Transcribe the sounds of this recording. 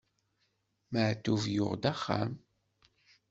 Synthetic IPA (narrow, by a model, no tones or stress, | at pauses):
məʕt̪ːuvjʊ̰ʁd̪æχːa̰m